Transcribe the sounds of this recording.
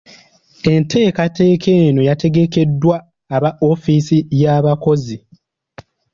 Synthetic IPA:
e̞ntʰe̞ːkate̞ːkʰe̞ːno̞jate̞ɡe̞ke̞dːwaː | βao̞fiːsijaːβako̞zi

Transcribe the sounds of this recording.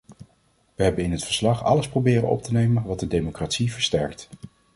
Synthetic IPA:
ʋəɦɛbənɪnɦətfə̥ɹslɑχɑ̰ləsprowbɪːrə̰nɔ̰p̚tənejmənʋɑt̚dədejmokratsivəɹstɛɹkt

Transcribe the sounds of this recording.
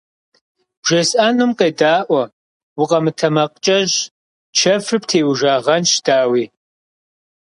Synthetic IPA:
bʒ̥ɐsʼʔanɨmqeːdaːʔʷɐ | wʊqʼɐmɨtʰɐmɐqt͡ʃʼɐʒ | t͡ʃʰɐfɨptʰeːwʒaːʁɐnʃdaːwiː

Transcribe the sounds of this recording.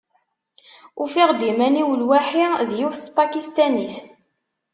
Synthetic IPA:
ufiʁd̪imæniwəlwæħiðjufθt̪pakist̪æniθ

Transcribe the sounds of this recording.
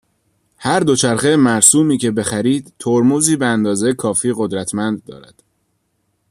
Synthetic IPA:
hæɾd̪o̞t͡ʃʰæɾχemæɾsuːmiːcʰe̞be̞xæɾiːd̪̥t̪ʰoɾmuːziːbeænd̪ɒːzejekʰɒːfiːɣo̞d̪ɾæt̪ʰmænd̪̚ːɒ̰ːɾæ̰d̪̥

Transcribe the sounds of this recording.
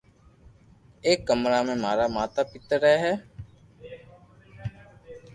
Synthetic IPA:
eːkːəmɾaːmẽːmaːɾaːmaːt̪aːpɪt̪əɾɛːɦɛː

